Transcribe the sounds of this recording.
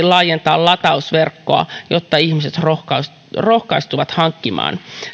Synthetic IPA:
lɑːjent̪ɑːllɑt̪ɑusʋerkːoɑ̰jot̪ːɑiçmise̞t̪rokɑ | rohkɑist̪uʋɑt̪hɑŋkːimɑ̰ːn

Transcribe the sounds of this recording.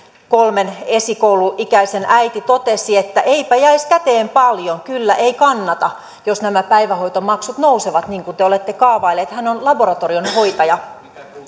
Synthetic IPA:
kolmene̞sikouwluʔikæisenʔæjt̪it̪o̞t̪esiet̪ːæʔe̞ipæjæiskæt̪eːmpɑljoŋkylːæʔeikɑnːɑt̪ɑ | josnæmæpæiʋæɦo̞it̪omɑksut̪no̞useʋɑt̪niːŋkunt̪eole̞t̪ːekɑːʋɑilːeːt̪hænonlɑbo̞ɾɑt̪orionho̞jt̪ɑjɑ

